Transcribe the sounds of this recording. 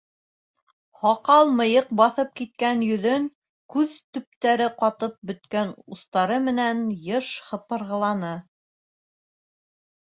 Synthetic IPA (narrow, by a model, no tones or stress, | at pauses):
hɑqɑlˠmɤ̆jɤq̚bɑθɤp̚kit̪̚kænjɵ̆ðɵŋ | kʉðt̪ɵ̆p̚t̪æɾɘqɑt̪ɤp̚bɵ̆t̪kænust̪ɑɾɤmɘ̆nænjɤʃhɤ̆pɤ̆ɾʁɤ̆lˠɑnɤ